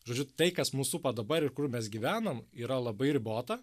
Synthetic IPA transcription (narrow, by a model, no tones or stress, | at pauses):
ʒoːd͡ʒʲʊt̪ɐɪkɐsmuːsʊpɐd̪ɐbɐɾɪrkʊɾmʲɛsɡʲiʋʲæːnɐmiːɾɐlˠɐbɐɪɾʲɪboːt̪ɐ